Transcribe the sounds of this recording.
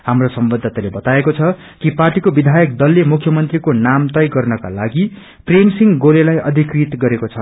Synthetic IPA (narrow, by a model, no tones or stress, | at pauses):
ɦamrosʌmbʌd̪ʱːat̪alebʌt̪aekot͡sʰʌ | kiparʈikobid̪ʱajʌkd̪ʌlːemukʰjʌmʌnt̪rikonamt̪ʌjɡʌrnʌka̰laɡi | premsiŋɡolelajʌd̪ʱikrit̪ɡʌɾekot͡sʰʌ